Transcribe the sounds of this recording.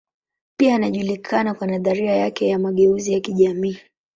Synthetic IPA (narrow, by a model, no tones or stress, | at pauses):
piaːnaʄulikʰanakwanaðaɾiajakɛjamaɠɛuzijakiʄamiː